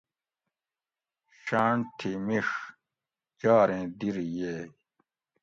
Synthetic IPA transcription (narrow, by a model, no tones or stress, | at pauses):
ɕaːɳt̪ʰimiʂ | d͡ʑaːɾẽːd̪iɾije